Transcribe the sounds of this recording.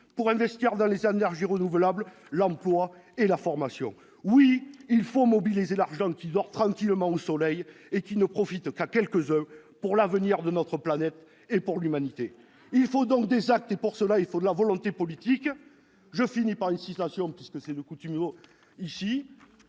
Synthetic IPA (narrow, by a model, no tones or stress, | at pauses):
puʁɛ̃vɛst̪iʁd̪ɑ̃lezenɛʁʒiʁənuvəlabl | lɑ̃plwa | elafɔʁmasjɔ̰̃ | wiːlfomɔbilizelaʁʒɑ̃kʲid̪ɔʁt̪χɑ̃ŋkʲiləmɑ̃osɔlɛj | ekʲinəpχɔfit̪kakʲɛlkəzɛ̃puʁlavəniʁd̪ənɔt̪χəplanɛt̪ | epuʁlymanit̪e | ilfod̪ɔ̃ŋk̚d̪ezak̚t̪epuʁsəlailfod̪əlavɔlɔ̃t̪epɔlit̪ik | ʒəfinipaʁynsit̪asjɔ̃pɥiskəsɛd̪əkut̪ymo | isi